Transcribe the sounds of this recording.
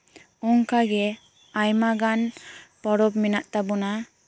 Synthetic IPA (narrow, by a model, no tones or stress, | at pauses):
ɔŋkaɡɛ | ajmaɡanpɔɾɔpminaʔt̪abɔna